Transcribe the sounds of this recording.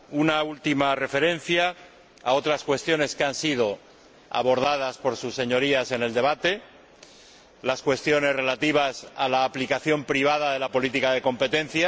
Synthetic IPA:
unault̪imare̞fe̞ɾẽ̞n̟θja | a̰o̞t̪ɾaskwe̞st̪jone̞skeansið̞o̞ | a̰βo̞ɾð̞að̞aspo̞ɾsusːe̞ɲo̞ɾiase̞ne̞ld̪e̞β̞at̪e̞ | laskwe̞st̪jo̞ne̞zre̞lat̪iβ̞asalaːplikaθjo̞mpɾiβ̞að̞aðe̞lapo̞lit̪ikaðe̞ko̞mpe̞t̪ẽ̞n̟θja

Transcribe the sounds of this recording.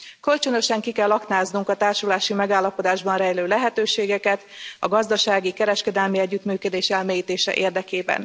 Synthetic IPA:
kø̞lt͡ʃø̞no̞ʃɛŋkikɛlːɒknaːznuŋkɒt̪aːrʃulaːʃimɛɡaːlːɒpo̞d̪aːʒbɒnrɛjløːlɛɦɛt̪øːʃeːɡɛkɛt̪ɒ̰ɡɒzd̪ɒʃaːɡikɛɾɛʃkɛd̪ɛlmiɛɟːyt̪myːkød̪eːʃɛlmeːjiːt̪eːʃɛ̰ʔeːrd̪ɛkeːbɛ̰n

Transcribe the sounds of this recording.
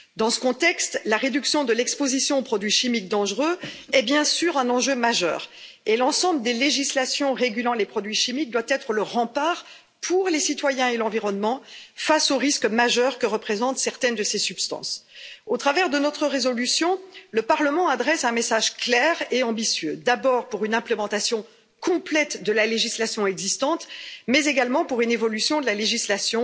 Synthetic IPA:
d̪ɑ̃sə̥kɔ̃t̪ɛkst̪laʁed̪yksjɔ̃d̪əlɛkspozisjɔ̃opχɔd̪ɥiʃimik̚d̪ɑ̃ʒʁøɛbjɛ̃syʁɛ̃nɑ̃ʒømaʒœ̰ːʁ | elɑ̃sɑ̃bləd̪eleʒislasjɔ̃ʁeɡʲylɑ̃lepχɔd̪ɥiʃimik̚d̪wat̪ɛt̪χələʁɑ̃paʁ | pʰuʁlesit̪wajɛ̃elɑ̃viʁɔnmɑ̃fasoʁiskmaʒœʁkəʁəpχezɑ̃t̪sɛʁt̪ɛnd̪əsesypst̪ɑ̰̃sot̪χavɛʁd̪ənɔt̪χəʁezɔlysjɔ̃ləpaʁləmɑ̃ad̪ʁɛsɛ̃mesaʒklɛʁeɑ̃bisɥød̪abɔʁpuʁynɛ̃plemɑ̃t̪asjɔ̃ | kɔ̃plɛt̪d̪əlaleʒislasjɔ̃ɛɡzist̪ɑ̃t̪mɛzeɡalmɑ̃puʁynevɔlysjɔ̃d̪əlaleʒislasjɔ̃

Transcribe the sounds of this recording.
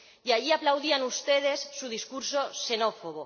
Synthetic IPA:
jaʝiaplawðianust̪e̞ð̞e̞sːuðiskuɾso̞se̞no̞foɣo

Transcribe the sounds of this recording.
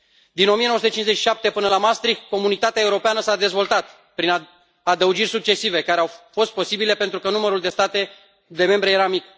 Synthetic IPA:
d̪inomienosut̪ət͡ʃinzet͡ʃʃi̥ʃap̚t̪e̞pɨnəlamast̪ɾikko̞munit̪at̪eae̞uɾo̞peanəsad̪e̞zvo̞lt̪at̪ | pɾin | ad̪əud͡ʒirʲsuk̚t͡ʃe̞sive̞kaɾe̞awfo̞st̪̚po̞sibile̞pent̪ɾukənuməɾuld̪e̞st̪at̪e̞ | d̪e̞me̞mbɾe̞je̞ɾamik

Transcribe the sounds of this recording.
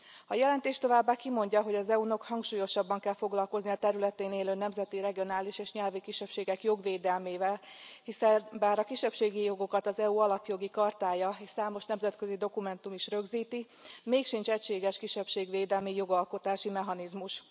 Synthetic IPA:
hɒjɛlɛnt̪eːʃt̪o̞vaːbːaːkimo̞ɲɟɒɦo̞ɟɒzɛuno̞khɒŋkʃuːjo̞ʃɒbːɒŋkɛlfo̞ɡlɒlko̞zniɒt̪ɛɾylɛt̪eːneːløːnɛmzɛt̪iɾɛɡionaːliʃeːʃɲɛlvikiʃɛpʃeːɡɛkjo̞ɡʋeːd̪ɛlmeːvɛlhisɛnbaːɾɒkiʃːɛpʃeːɡijo̞ɡo̞kɒt̪ɒzɛuɒlɒpjo̞ɡikɒrt̪aːjɒeːʃsaːmo̞ʃnɛmzɛt̪kø̞zid̪o̞kumɛnt̪umiʃrø̞ɡziːt̪i | meːkʃint͡ʃɛcʃeːɡɛʃkiʃɛpʃeːɡʋeːd̪ɛlmijo̞ɡɒlko̞t̪aːʃimɛɦɒnizmuʃ

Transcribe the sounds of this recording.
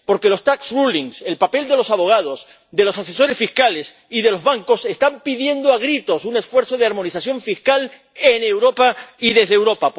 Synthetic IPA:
po̞ɾke̞lo̞st̪aksruliŋse̞lpapeld̪e̞lo̞saβo̞ɣ̞að̞o̞s | d̪e̞lo̞sase̞so̞ɾe̞sfiskale̞s | iðe̞lozβaŋko̞se̞st̪ampiðje̞nd̪oaɣɾit̪o̞sune̞sfwe̞ɾθo̞ð̞eaɾmo̞nisasjo̞ɱfiskal | enewɾo̞paiðe̞zðewɾo̞pa

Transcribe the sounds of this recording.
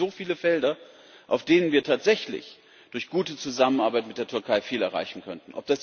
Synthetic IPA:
zoːfiːləfɛldɐ | ʔaʊfd̥eːnənviːɐtʰaːtz̥ɛçlɪ̰ç | d̥ʊɐçɡ̥uːtət͡suzamənaɐbaɪtmɪt̚d̥eːɐtʰʏɐkʰaɪfiːlɛɐʁa̰ɪçn̩kʰœntn̩ʔɔ̰p̚d̥as

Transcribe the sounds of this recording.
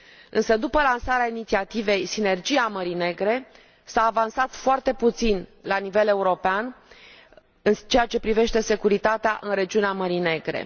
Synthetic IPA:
ɨnsəd̪upəlansaɾeainit̪siat̪ive̞jsine̞rd͡ʒiaməɾine̞ɡɾe̞ | saːvansat̪foart̪e̞put̪sinlanive̞le̞uɾo̞pean | ɨnt͡ʃeat͡ʃe̞pɾive̞ʃt̪e̞se̞kuɾit̪at̪eaʔɨnre̞d͡ʒiuneaməɾine̞ɡɾe̞̰

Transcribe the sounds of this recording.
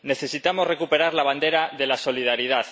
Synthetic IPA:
ne̞θe̞sit̪amozre̞kupe̞ɾaɾlaβ̞and̪eɾaðe̞laso̞lið̞aɾið̞að

